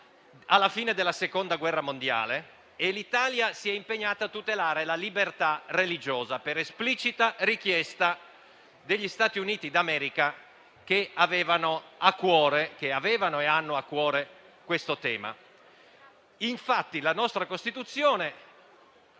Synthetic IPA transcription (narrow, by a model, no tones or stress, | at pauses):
alːafiːned̪elːasekond̪aɡwɛrːamond̪ja̰ːle | elit̪aːljasiɛimpeɲːaːt̪at̪ːut̪elaːɾelalibert̪arelid͡ʒoːzapeɾesplit͡ʃit̪arikjɛst̪a | d̪eʎːist̪aːt̪iuniːt̪id̪amɛːɾika | keavɛːvanoakːwɔːɾekeaveːvanoeanːoakːwɔːɾe | kwest̪ot̪ɛːma̰ | iɱfat̪ːilanɔst̪ɾakost̪it̪ut̪sːjoːne